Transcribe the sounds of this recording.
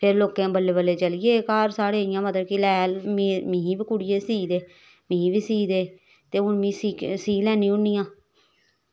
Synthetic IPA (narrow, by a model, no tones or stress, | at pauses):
pʰɪɾloːkẽːbəlːeːbəlːeːt͡ʃəlɪjeːkaːɾsaːɽeːɪjãːmət̪ləkilɛːlimĩːiːbiːkʊɽɪjeːsiːd̪eː | mĩːbiːsiːd̪eː | t̪eːʊnmĩːsiːsiːlɛːnĩːʊnːijãː